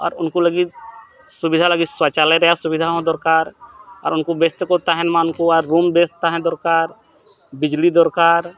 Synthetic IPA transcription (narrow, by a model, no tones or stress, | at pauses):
ɔ̰ːɾʊnkuləɡi | sʊbɪd̪ʱaləɡiswat͡ʃalɛɾɛɦjasʊbɪd̪ʱaɦõd̪ɔɾkaːɾɔːɾʊnkobest̪kɔt̪aɦɛnmãʊnkoaɾːuːmbeːst̪aɦɛ̃d̪ɔɾkaːɾ | bɪd͡ʒlid̪ɔɾkaːɾ